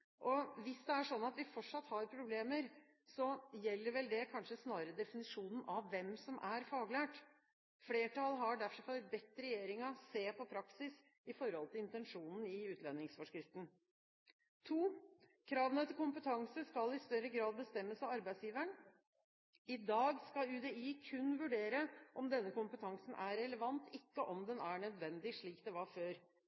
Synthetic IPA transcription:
ʔɔʋɪsd̪ɛæʂɔnːɑt̪ʋɪfɔʈʂɑt̪ːhɑɾpʰɾʊbleːməɾ | sɔjɛlːəɾʋɛld̪ɛkʰɑnʂəsnɑːɾəd̪ɛfɪnɪʂuːnn̩ʔɑʋːɛmsɔmʔæɾfɑːɡlæːʈ | fleːʈɑlɦɑɖæfɾɔfɔɾbɛt̪ːɾɛjeːɾɪŋɑseːpʰɔpʰɾɑksɪs | ɪfɔɾhɔlt̪ɪlɪnt̪ɛnʂuːnn̩ɪʉːt̪ʰlɛnːɪŋsfɔʂkɾɪft̪n̩ | t̪ʰuːkʰɾɑːʋənət̪ʰɪlkʊmpət̪ʰɑŋsəskɑlɪst̪œɾːəɡɾɑːd̪̚bəst̪ɛmːəsɑʋɑɾbæɪsjiːʋəɳ | ɪd̪ɑːɡskɑʉːd̪ɛiːkʰʉnːʋʉɖeːɾəʔɔmd̪ɛnːəkʊmpət̪ʰɑŋsn̩ʔæɾɛləʋɑnt̪ɪkːəʔɔmd̪ɛnæɳœd̪ʋɛnd̪ɪʂɭiːkd̪ɛʋɑɾføːɾ

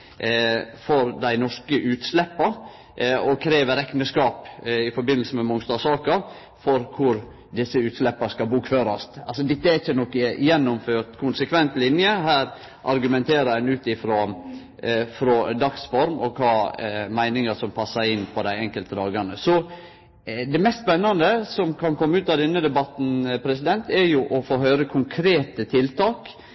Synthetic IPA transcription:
fɔɾd̪æɪnɔʂkəʔʉːt̪slɛpːɑ | ɔkʰɾeːʋəɾɛknəskɑːpɪfɔɾbɪnlsəmɛmʊŋst̪ɑːsɑːkɑ | fɔɾkʰʊɾ | d̪ɪsːəʉːt̪slɛpːɑskɑbuːkføːɾɑst̪ɑlsɔd̪ɪt̪ːəæɪçːənɔkːjɛnːʊmføːt̪kʰʊnsəkʰʋɛnt̪lɪnjəhæːɾ | ʔɑɾɡʉmɛnt̪ʰeːɾəɾænʉːt̪ɪfɾo | fɾɔd̪ɑksfɔɾmɔ̰kʰɑːmæɪnɪŋəsɔmpʰɑsːɑɾɪnpʰɔd̪æɪɛŋkəlt̪əd̪ɑːɡɑɳəsɔ | d̪ɛmɛst̪spɛnːɑnd̪əsɔmkʰɑnkʰɔmːəʉːt̪ɑʋd̪ɛnːəd̪ɛbɑt̪n̩pʰɾɛsɪd̪ɛnt̪ɛɾjʊʔɔfoːhœʏɾəkʰʊŋkʰɾeːt̪ət̪ʰɪlt̪ʰɑːk

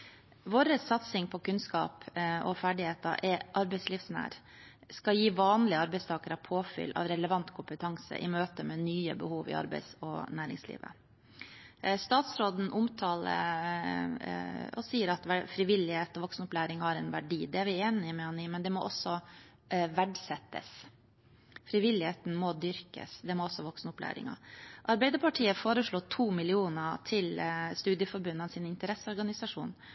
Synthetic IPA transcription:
ʋoːɾəsɑt̪sɪŋpʰɔkʉnskɑ̰ːpʔɔfæːɖɪheːt̪ɑ̰ʔɛʔɑɾbɛɪsliːfsnæ̰ːɾ | skɑjiːʋɑːnlɪəɑɾbɛɪst̪ʰɑːkəɾɑpʰoːfʏ̰lːʔɑ̰ʋɾɛləʋɑnt̪kʰʊmpət̪ʰɑŋsə̰ʔɪ̰møːt̪əmɛnyːə̰bəhuːʋɪ̰ɑ̰ɾbɛ̰ɪsɔ̰næːɾɪ̰ŋslḭːʋə̰ | st̪ɑːt̪sɾoːd̪n̩ʔʊmt̪ʰɑːlə̰ | ɔ̰siːəɾɑt̪ʋæfɾɪʋɪlːɪheːt̪ɔʋɔksnʊplæːɾɪŋhɑɾɛnʋæɖiːd̪ɛæɾʋɪeːnɪmɛɑniːmɛnd̪ɛmɔ̰ʔɔsːɔ | ʋæɖsɛt̪ːə̰s | fɾɪʋɪlɪheːt̪n̩mɔd̪ʏɾkə̰sd̪ɛmɔɔsːɔʋɔksnʊplæ̰ːɾɪ̰ŋɑ̰ʔɑɾbæɪd̪əɾpʰɑʈʰiːəfoːɾəʂɭoːt̪ʰuːmɪlɪuːnɑt̪ʰɪlst̪ʉːd̪jəfɔɾbʉnːɑnsɪnɪnt̪əɾɛsːəɔɾɡɑnɪsɑʂṵːn

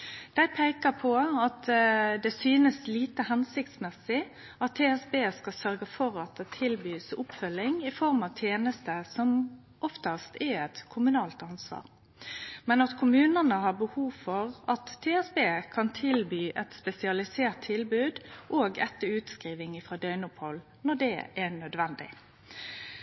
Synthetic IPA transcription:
d̪̥æɪpʰæɪkəpʰɔɑt̪d̪ɛsyːnəsliːt̪əhɛnsɪkt̪smɛsːɪ | ɑt̪ʰːeːɛsbeːskɑsœɾɡəfɔʁɑt̪̚d̪ɛt̪ʰɪlbyːsʊpfœlːɪŋɪfɔɾmɑʋt̪ʰjeːnəst̪əsɔm | ʔɔft̪ɑst̪ɛɛt̪kʰʊmʉnɑːlt̪ɑnsʋɑ̰ːʁ | mɛnɑt̪kʰʊmʉːnənəhɑːbəhuːʋfɔʁɑt̪ʰːeːɛsbeːkʰɑnt̪ʰɪlbyːʔɛt̪spɛsɪɑlɪseːʁt̪ʰːɪlbʉːd̪ʔoːɡɛ̰t̪ːəʉːt̪skɾiːʋɪŋɪfɾʁɑːd̪œʏnʊphɔl | nɔɖ̪ɛ̰ːɛnœd̪ʋɛnd̪ɪ̰

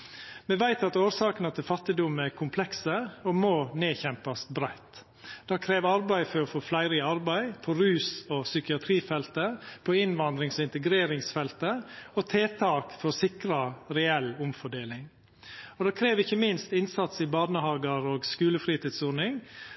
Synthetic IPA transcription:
mɛʋæɪt̪ɑt̪oːɾsɑːkənət̪ʰɪlfɑt̪ːɪd̪ʊmækʰʊmpʰlɛksəɔmoːneːçɛmpɑst̪bɾæɪt̪ | d̪̥ɑːkʰɾeːʋɑɾbæɪfɔɾɔfɔːflæɪɾɪɑɾbæɪpʰɔɾʉːsɔsʏkɪɑt̪ʰɾiːfɛlt̪əpʰɔɪnʋɑnd̪ɾɪŋsɔɪnt̪əɡɾeːɾɪŋsfɛlt̪əɔt̪ʰeːt̪ʰɑːkfɔɾsɪkɾɑɾɛɛlʊmfɔɖeːlɪŋ | ɔd̪ɑːkʰɾeːʋɪçːəmɪnst̪ɪnsɑt̪sɪbɑːnəhɑːɡɑɾoːɡskʉːləfɾiːt̪iːd̪suːɾnɪŋ

